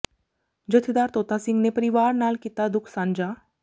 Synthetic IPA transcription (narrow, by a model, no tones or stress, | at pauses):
d͡ʒət̪ʰid̪aɾt̪ot̪asĩŋɡnepəɾiʋaːɾnaːlkit̪ad̪ukʰsãmd͡ʒa